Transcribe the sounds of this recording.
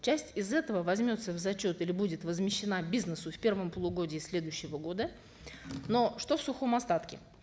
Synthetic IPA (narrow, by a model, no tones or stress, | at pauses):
t͡ɕæsʲtʲɪzɛt̪əvəvɐzʲmʲo̞t̪səvzɐt͡ɕo̞t̪ilʲɪbudʲɪt̪vəzmʲɪɕːɪnabʲiznəsʊfʲpʲe̞rvəmpəlˠʊɡo̞dʲɪːsʲlʲe̞d̪ʊɕːɪvəɡo̞d̪ə | no̞ʂt̪o̞fsʊxo̞mɐst̪at̪kʲɪ̰